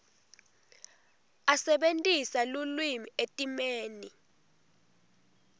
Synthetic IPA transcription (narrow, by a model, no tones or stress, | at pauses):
asɛɓentʼisalulwimietʼimeːni